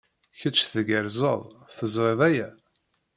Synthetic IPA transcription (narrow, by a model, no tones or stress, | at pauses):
çət͡ʃːθəɡəɾzə̰ðˤθəzˤɾˤeðˤæjæ